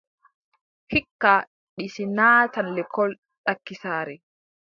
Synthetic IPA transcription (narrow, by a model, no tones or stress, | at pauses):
hikːa | ɗisinaːtanlɛkʰɔl | ɗakːisaːɾɛ